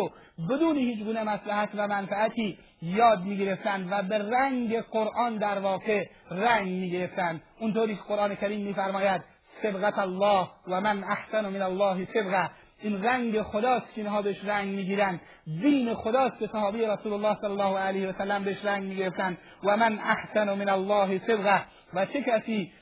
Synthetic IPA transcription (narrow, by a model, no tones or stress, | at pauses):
bed̪uːnehiːt͡ʃɡuːnemæslæɦæt̪væmænfæːt̪ʰiː | jɒːd̪̚miːɡeɾe̞ft̪ænd̪væberæŋɡeqoɾʔɒːnd̪æɾvɒːqe | ræŋɡmiːɡeɾe̞ft̪ænd̪ʔunt̪ʰoːɾiːkʰeqoɾʔɑːnekʰʲæɾiːmːiːfæɾmɒːjæd̪̚ | sebɣæt̪ælːɒːhwæmænʔahsanomenælːɒːɦesebɣæ | ʔiːnræŋɡexod̪ɒːst̪kʰeinɦɒːbeeʃɾæŋɡmiːɡiːɾænd̪ | d̪iːnexod̪ɒːst̪kesæhɒːbejeɾæsuːlolːɑːhselːlːɒːhoælejheʋæsælːæmbeeʃɾæŋɡmiːɡeɾeft̪ænd̪ | væmanʔahsanomenælːɒːɦesebɣæ | væt͡ʃʰekæsiː